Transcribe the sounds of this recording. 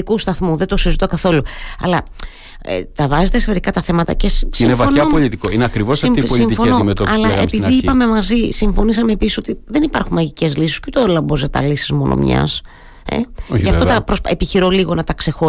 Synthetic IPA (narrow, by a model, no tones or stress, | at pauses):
ikust̪ɐθmuðet̪o̞sizit̪o̞kɐθo̞luɐ̰lɐ | et̪ɐvɐzet̪eseveɾikɐt̪ɐθe̞mɐt̪ɐ̰cessinevɐoɐpoʎit̪ikoineɐkɾivosɐiioiɱt̪fonometoɐlɐespiðiipɐme̞mɐzisiɱfo̞nisɐme̞ːpisi̥so̞t̪iðe̞nipɐɾxunmɐʝice̞zlisi̥sut̪ooɾlɐbozet̪ɐ̰lisizmo̞̰nʔo̰mɲɐ̰s | ḛcɐft̪ot̪ɐpɾosepiçiɾo̞liɣo̞nɐt̪ɐkse̞xo̞